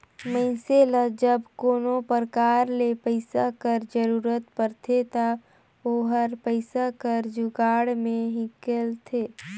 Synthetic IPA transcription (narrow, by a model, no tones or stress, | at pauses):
məɪseləd͡ʒəbkoːnopəɾkaːɾlepəɪsakəɾd͡ʒəɾuːɾət̪pəɾt̪ʰet̪a | oːɦəɾpəɪsakəɾd͡ʒʊɡaːɽmẽɦɪ̃kelt̪ʰeː